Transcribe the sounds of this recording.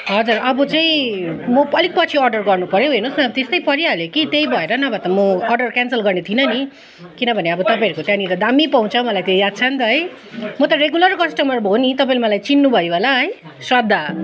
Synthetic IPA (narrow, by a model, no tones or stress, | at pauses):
ɦʌd͡zurʌbut͡saĩmʌpʌlik̚pʌt͡sʰiʌrɖʌrɡʌrnupʌɾjeɦinosniʌbʌt̪est̪ʌjpʌɾjaljekit̪ejbʱʌeɾʌnʌbʱʌt̪ʌmʌʌrɖʌrkansʌlɡʌrnet̪ʰinʌni | kinʌbʱʌneʌbʌt̪ʌpãʌɾukot̪jãniɾʌd̪amipaw̃t͡sʰʌmʌlajt̪ejad̪̚t͡sʰʌnt̪ʌɦʌj | mʌt̪ʌɾeɡulʌrkʌsʈʌmʌrbʱonit̪ʌpãĩlemʌlajt͡sinːubʱʌjbolaɦʌj | swʌd̪ʱːa